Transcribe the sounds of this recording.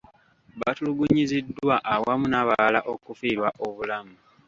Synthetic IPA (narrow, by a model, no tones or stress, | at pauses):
βatuluɡuɲizidːwaʔawamunaβaalaʔokufiːɾwaʔo̞βulamu